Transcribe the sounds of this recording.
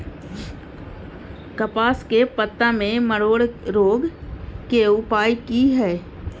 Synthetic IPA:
kɐpaːskepət̪ːãmẽməɽoːɽɾoːɡkeʊpaːjkiɦɛː

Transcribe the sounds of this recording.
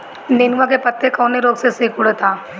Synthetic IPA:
neːnʋakepɐt̪ːekɔːneɾoːɡseseːkʊɽt̪ʰaː

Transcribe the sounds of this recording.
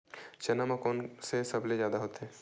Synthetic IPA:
t͡ʃɐnamãkɔːnsesɐblezjaːd̪aɦoːt̪eɦɛ̃ː

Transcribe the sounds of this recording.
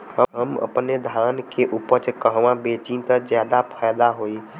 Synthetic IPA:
ɦəɦəmə̰pned̪ʱankeʔupət͡ʃkəɦʋãbet͡ʃĩnt̪əd͡ʒjad̪apʰajd̪aɦoi

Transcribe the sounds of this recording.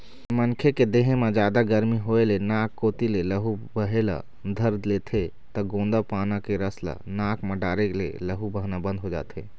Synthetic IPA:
mənkʰeked̪eɦẽmed͡ʒaːd̪aɡəɾmiɦoelenaːkːoːt̪ileləɦubəɦela̰ | d̪ʱəɾd̪let̪ʰe | t̪əɡõːnd̪apaːnakeɾəsla̰naːkʰmeɖaːɾeklḛləɦubəɦnabə̃nd̪ʱɦod͡ʒa̰ːt̪ʰḛ

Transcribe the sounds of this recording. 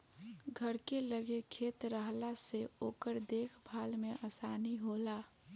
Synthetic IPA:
ɡʱəɾkeləɡekʰeːt̪ɾəɦlaseoːkəɾd̪eːkʰbʱaːlmẽʔaːsaːniɦoːlaː

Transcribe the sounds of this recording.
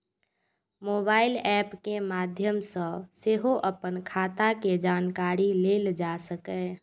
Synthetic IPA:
moːbaːɪlɛːpkemaːd̪ʱjəmsə̃seɦoʔəpənkʰaːt̪aked͡ʒaːnkaːɾileld͡ʒasəkɛ

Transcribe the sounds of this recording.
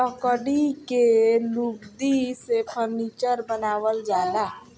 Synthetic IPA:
əkəɖikelubd̪isepʰəɾniːt͡ʃəɾbənaːʋəld͡ʒaːla

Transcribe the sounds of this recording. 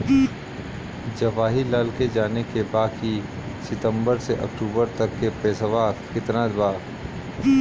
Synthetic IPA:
d͡ʒɐʋaːɦilaːlked͡ʒaːnekebaːki | sɪt̪ə̃mbəɾseʔɐ̰kʈuːbəɾt̪ɐkːepɛːsʋaːkɪt̪nad̪baː

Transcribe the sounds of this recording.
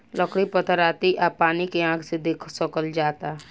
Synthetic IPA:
ləkɽipət̪əɾaːt̪iʔaːpaːnikeãːkʰsed̪eːkʰsəkəld͡ʒaːt̪a

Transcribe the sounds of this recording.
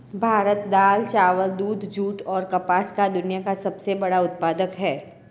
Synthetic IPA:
bʱaːɾət̪d̪aːlt͡ʃaːʋəld̪uːd̪ʱd͡ʒuːʈɔːɾkɐpaːskad̪ʊnijakasɐbsebɐɽaʊt̪̚paːd̪əkɦɛː

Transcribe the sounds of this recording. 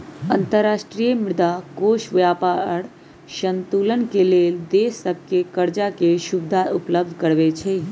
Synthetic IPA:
ənt̪əɾːasʈɾijəmɪɾd̪akoʃʋjapaɾ | ʃənt̪ulənkeleld̪esːəb̚ʱkekəɾd͡ʒakeʃubd̪ʱaupləb̚d̪ʱkəɾbet͡ʃʰɛ

